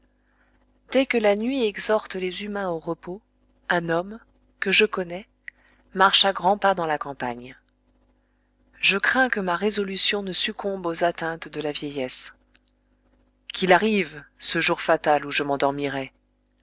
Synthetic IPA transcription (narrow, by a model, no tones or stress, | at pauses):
d̪̥ɛkəlanɥiɛɡzɔʁt̪lezymɛ̃oʁəpo | ɛ̃nɔm | kəʒəkɔnɛ | maʁʃaɡʁɑ̃pad̪ɑ̃lakɑ̃paɲ | ʒəkχɛ̃kəmaʁezɔlysjɔ̃nəsykʰɔ̃bozat̪ɛ̃t̪d̪əlavjɛjɛs | kʲilaʁivsəʒuʁfat̪aluʒəmɑ̃d̪ɔʁmiʁɛ